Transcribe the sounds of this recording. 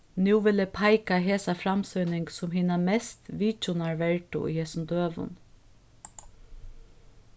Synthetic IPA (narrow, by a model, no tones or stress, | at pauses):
nuːʋɪlɛpʰaɪkaɦeːsafɾamsɔjnɪŋksʊmɦiːnamɛst̪ʋiːt͡ʃʊnaɹʋɛɹʈʊ̰ʔʏ̰heːsnd̪øːʋʊ̰n